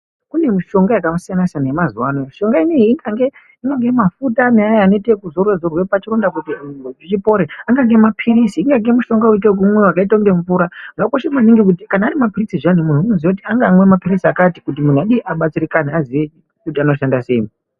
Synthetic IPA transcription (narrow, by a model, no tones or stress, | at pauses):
kune̞miʃo̞ŋɡajakamsianasanajemazuwanomiʃo̞ŋɡainiːŋɡaŋɡe | iŋɡaŋɡe̞mafutaneajaːnetekuzorwezorwepat͡ʃirondakutiʐit͡ʃipo̞ɾeaŋɡaŋɡe̞mapʰiɾisiːŋɡaŋɡe̞muʃo̞ŋɡauit̬ek̬umwewakaitauŋɡe̞ɱvuɾaʐakoʃemaniŋɡik̬utikanaːɾimapirisiʐanimun̤uunoziwakutiaŋɡamwemapiɾisiakatikut̬imun̤aɗiʔaɓat͡sirikaneaziʋe | kutiano̞ʃandase̞imi